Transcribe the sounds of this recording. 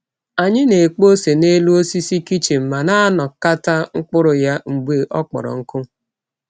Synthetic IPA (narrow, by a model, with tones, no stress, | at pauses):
a˨ɲɪ˦ne˨k͡po˦se˨ne˦lu˦o˦si˦si˦ki˦t͡ʃe˨m̩˨ma˨na˦nɔ˨ka˦ta˦ŋ̩˦k͡pʊ˦ɾʊ˨ja˦ŋ͡m̩˨ɡ͡be˨ʔɔ˦k͡pɔ̰˨ɾɔ̰˨ŋ̩˦kʊ˦